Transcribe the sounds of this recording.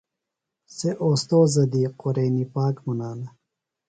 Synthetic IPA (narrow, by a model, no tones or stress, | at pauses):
seʔoːst̪oːzɐd̪iqoɾejnipaːkmunaːnɐ